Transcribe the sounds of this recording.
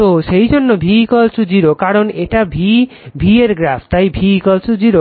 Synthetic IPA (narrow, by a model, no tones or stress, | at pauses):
t̪oʃejd͡ʒonːobʱikɔlsud͡ʒiɾokaɾoneʈabʱi | bʱieɾɡɾapʰt̪ajbʱikɔlsud͡ʒiɾo